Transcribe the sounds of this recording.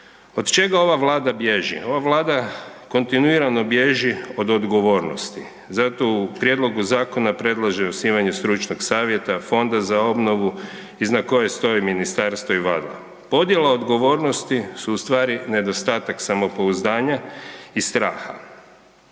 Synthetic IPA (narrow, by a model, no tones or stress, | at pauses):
o̞d̪t͡ʃe̞ɡao̞ʋaʋlˠaːd̪abjeʒḭo̞ʋaʋlˠaːd̪ako̞nt̪inuiɾano̞bjeʒio̞d̪od̪ɡo̞ʋo̞ɾno̰st̪i | zat̪o̞upɾje̞d̪lˠo̞ɡuzaːko̞napɾe̞d̪lˠaʒeosniːʋaɲust̪ɾut͡ʃnoɡsaːʋje̞t̪afo̞nd̪azao̞bno̞ʋu | iznako̞je̞st̪o̞jiminist̪aɾst̪ʋo̞iʋaːd̪lˠa̰ | po̞d̪je̞laod̪ɡo̞ʋo̞ːɾno̞st̪isuːst̪ʋaːɾine̞d̪o̞st̪aːt̪aksamo̞po̞uzd̪aːɲaist̪ɾaːxa̰